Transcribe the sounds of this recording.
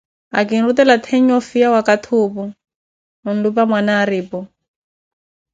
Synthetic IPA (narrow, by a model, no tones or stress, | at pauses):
a̰kɪn̩rutɛlat̪ʰeɲ̩ɔfijawakatʰʊːpʊ | ʊn̩lupamwanaːɾiːpɔ